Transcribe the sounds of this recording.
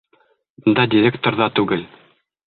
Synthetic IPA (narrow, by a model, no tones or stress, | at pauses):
bɤ̆nd̪ɑdʲɪɾʲekt̪oɾðɑt̪ʉɡɘl